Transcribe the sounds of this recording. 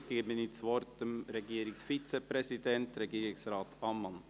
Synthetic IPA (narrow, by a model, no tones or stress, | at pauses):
ɡ̥eɡmɪnɪsʋɔɾtd̥̪əmɾɛɡiːɾɪsfit͡sɛpɾɛsid̪ɛntɾɛɡiːɾɪsɾɑːt̪ɑmːɑn